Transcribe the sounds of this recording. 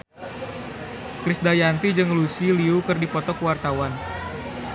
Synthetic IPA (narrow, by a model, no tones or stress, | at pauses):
kɾisdajant̪id͡ʒɨŋlusiliukɨrdipɔt̪ɔkəwart̪awan